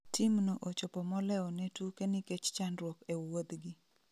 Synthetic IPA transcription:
tʰimnoʔot͡ʃopɔmɔlɛɔnetukeniket͡ʃt͡ʃandɾwokewod̪ɡɪ

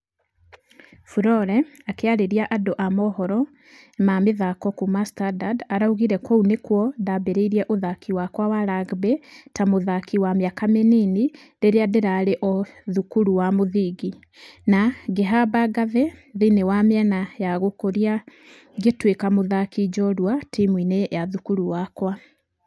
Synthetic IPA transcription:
fuɾɔɾɛ | akeaɾeɾiaʔadoʔamɔhɔɾɔ | mameðakɔkumastadadaɾauɣiɾɛkounekwɔðabeɾeiɾiɛʔoðakʰiwakwawaɾaɡbetamoðakʰiwamjakamenini | deɾeadeɾaɾeʔɔðukuɾuwamoðiɡi | naɡeɦabaɡaðɛðinewamɛnajaɣokoɾia | ɡetwekamoðakid͡ʒɔɾwatimwinejaðukuɾuwakwa

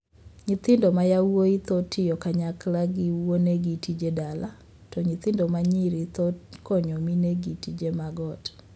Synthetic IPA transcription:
ɲit̪ɪndɔmajawoit̪ɔtʰɪjɔkaɲaklaɡɪwoneɡitid͡ʒedala | tɔɲit̪ɪndɔmaɲiɾit̪ɔkɔɲɔmineɡitid͡ʒemaɡɔt

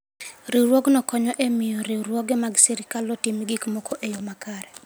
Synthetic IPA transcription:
ɾɪɾwɔɡnɔkɔɲɔʔemɪjɔɾɪɾwɔɡemaɡsiɾikalɔtimiɡikmɔkoʔejomakaɾɛ

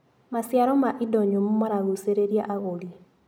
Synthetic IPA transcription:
masjaɾɔmaʔidɔɲomumaɾaɣuseɾeɾjaʔaɣoli

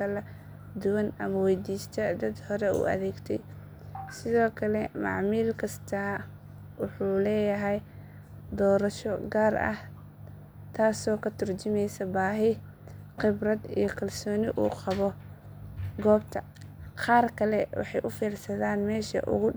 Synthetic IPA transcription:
kʰɐlɐ | d̪ʊwɐnɐmɐwɛjd̪iːst̪ʰɐd̪ɐd̪hɔɾɛṵːɐ̰ðɛːɡt̪ʰɛ̰j | sɪðɔːkʰɐlɛmɑ̰ʕmiːlkʰɐst̪ʰɐ | wʊħuːlɛːjɐɦɛj | d̪ɔːɾɐʃɔɡaːrɐ̰h | t̪ʰaːsɔːkʰɐt̪ʰʊrt͡ʃɪmɛjsɐbaːɦɪ | qɪbrɐd̪ḭjɞkʰɐlsɔːnɪʔṵːqɑβɔ | ɡɔːbt̪ʰɐ | qɑːrkʰɐlɛwɑ̰ħɑjʔʊfiːrsɐðaːnmɛːʃɐ̰ʔʊ̰ɣʊ

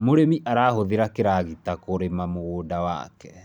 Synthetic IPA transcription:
moɾemiʔaɾaːhoðeɾakeɾaɣitakoɾemamoɣoːdawa̰kɛ

